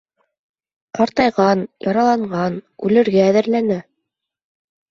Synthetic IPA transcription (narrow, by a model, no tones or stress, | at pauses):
qɑɾt̪ɑjʁɑnjɑɾɑlˠɑɴɢɑnʉlɘ̆ɾɡæːðɘ̆ɾlænæ